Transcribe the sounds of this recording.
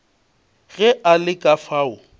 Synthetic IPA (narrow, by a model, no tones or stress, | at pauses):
ɣɛʔalɪkʼafaːʊ